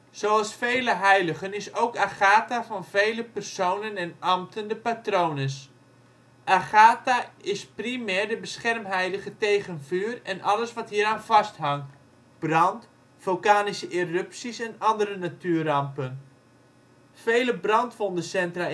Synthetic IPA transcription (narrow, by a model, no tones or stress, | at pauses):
sowɑlˠsfejləɦɛjləɣənɪsowkaχaːtafɑnvejləpɛrsownənɛnamtəndəpatrownəs | ʔaχaːtaɪsprimɛrdəbəsχɛrmɦɛjdəɣətejɣənvyːrɛnʔɑləsʋɑtɦiːəɾaːnvɑstɦɑŋt | b̥rɑnt | v̥olˠkaːnisəʔirʏpsisɛnɑndərənatyːrɑmpən | fejləbrɑntʋondəsɛntra